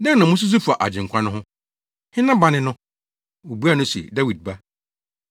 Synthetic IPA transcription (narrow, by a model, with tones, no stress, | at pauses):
nã˦nnã˨mʊ̃˦s̬ʊ˦s̬u˦fa˨ʔa̰˨d͡ʑɪ̃˨ŋ̩˨kʷʰã˦nʊ̃˦ɦʊ̃˦ | hɪ˦nã˦bã˨nɪ̃˦nʊ̃˦ | wo˨bu˦a˦˨nʊ̃˦sɛ̰˨da˦wi˨d̚ba˦